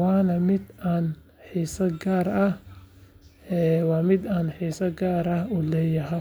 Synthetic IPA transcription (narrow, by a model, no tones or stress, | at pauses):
wɑːnɐmɪd̪aːn | ħiːsɐɡaːɾɐh | ɛːwɑːmɪd̪aːnħiːsɐɡaːɾɐhʊlɛːjɐɦɐ